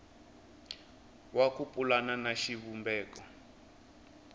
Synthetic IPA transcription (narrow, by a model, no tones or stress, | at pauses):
wakupʼulananaʃiβumbɛːkɔ